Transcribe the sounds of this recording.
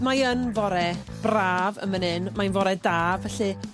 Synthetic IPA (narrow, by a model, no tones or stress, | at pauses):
majənvɔɾɛ | b̥raːvə̰mənɨnmajnvɔɾɛdaːvɛɬɨ